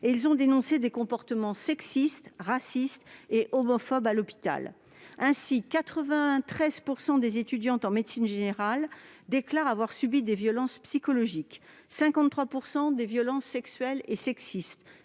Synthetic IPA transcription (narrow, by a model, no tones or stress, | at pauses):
eilzɔ̃d̪enɔ̃sed̪ekɔ̃pɔʁt̪əmɑ̃sɛksist̪ʁasist̪eʔɔmɔfɔbalɔpi̥t̪a̰l | ɛ̃sikat̪χəvɛ̃t̪χɛzpuʁsɑ̃d̪ezet̪yd̪jɑ̃t̪ɑ̃med̪sinʒeneʁald̪eklaʁavwaʁsybid̪evjɔlɑ̃spsikɔlɔʒik | sɛ̃kɑ̃t̪t̪χwapuʁsɑ̃d̪evjɔlɑ̃sːɛksɥɛlesɛksist̪